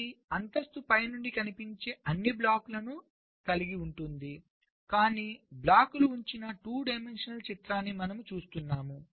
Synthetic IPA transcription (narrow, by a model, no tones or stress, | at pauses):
iɐnt̪ɐst̪upɐjɐnuɳɖikɐnipiɲt͡ʃeːʔɐnːiblaːkulɐnu | kɐliɡiuɳʈund̪i | kaːniːblaːkuluːɲt͡ʃinɐʈuːɖɐjmenʂɐnɐlt͡ʃit̪ɾaːnːimɐnɐmut͡ʃuːst̪unːaːmu